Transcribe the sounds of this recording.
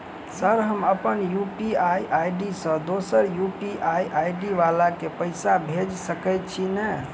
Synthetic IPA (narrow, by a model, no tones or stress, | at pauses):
səɾɦəməpənjupiajʔajɖisə̃d̪osəɾjupiʔajʔajɖiʋalakepəɪsabʱed͡ʒsəkɛt̪̚t͡ʃʰinɛ